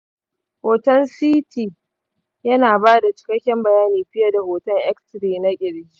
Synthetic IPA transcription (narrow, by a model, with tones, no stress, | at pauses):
hoː˨tɐ˦nsiː˦tiː˨ | jɐ˦naː˨baː˦da˨t͡ʃɪ̥˨kɐ˦kʲːɛ˦mbɐ˨jaː˦niː˨ɸɪ˦jɐ˦da˨hoː˨tɐ˦ŋʔɛ˦ktɾiː˨na˦kʲʼɪ˨ɽɡʲiː˦